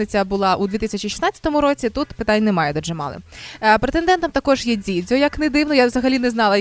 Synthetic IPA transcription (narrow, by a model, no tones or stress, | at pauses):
nɪt͡sʲɐbʊlˠɑʔud̪ʋʲit̪isʲɐt͡ʃʲiʃʲi̥snɑt͡sʲɐ̥t̪ɔmʊɾɔt͡sʲit̪ut̪pɪt̪anʲːnɛmɑjɛd̪ɔʒɛmɑ̰lˠɪ̰pɾet̪end̪ɛnt̪ɐmt̪ɐkɔʒjɛdʲidʲɔjɐknɛd̪ɪwnɔjaʋzɐɦɐlʲinɛznɑlˠɐ